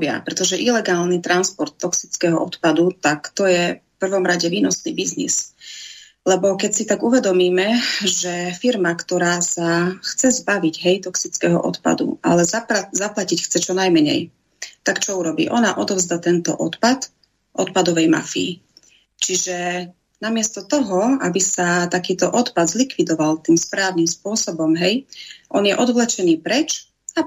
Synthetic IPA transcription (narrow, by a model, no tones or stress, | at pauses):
bɪa̰pɾɛt̪ɔʒɛʔilɛɡaːlnit̪ɾanspɔɾt̪ːɔksit͡skɛɦɔʔɔt̪pad̪ut̪akt̪ɔjɛfpr̩ʋɔmɾaɟɛʋiːnɔsnḭːbiznḭs | lɛbɔkɛcsit̪aɡuʋɛd̪ɔmiːmɛʒɛfiɾmakt̪ɔɾaːsaxt͡sɛzbaʋiɟɦɛjt̪ɔksit͡skɛːɦɔ̰ʔɔt̪pa̰d̪ṵalɛzapazaplacicxt͡sɛt͡ʃɔnajmɛɲɛ̰j | t̪akt͡ʃɔuɾɔbḭːʔɔnaʔɔd̪ɔvzd̪at̪ɛnt̪ɔ̰ʔɔt̪pat̪ | ʔɔt̪̚pad̪ɔʋɛjma̰fḭː | t͡ʃiʒɛ | namɪɛst̪ɔt̪ɔɦɔabisat̪akiːt̪ɔʔɔt̪pad̪zlikʋid̪ɔʋalt̪iːmspɾaːʋʊnimspʊɔsɔbɔmɦɛjʔɔ̰njɛʔɔd̪ʋlɛt͡ʃɛniːpɾɛt͡ʃ | a